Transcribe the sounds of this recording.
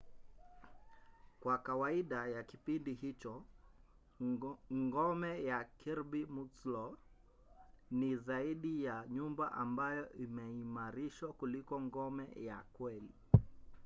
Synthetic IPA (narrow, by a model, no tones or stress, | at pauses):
kwakawaiɗajakipindiɦit͡ʃɔ | ŋɡɔmɛjakʰiɾbimuslɔ | nizaiɗijaɲumbaʔambajɔʔimɛimaɾiʃwakulikɔŋɡɔmɛ̰ja̰kwɛli